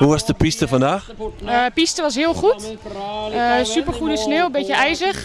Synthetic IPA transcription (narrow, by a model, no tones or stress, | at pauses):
huʋɔsdəpistəfɔndaːxəpistəʋɑsɦɪəlˠχut | əsypərχutənsneːwbɪcəɛjzəχ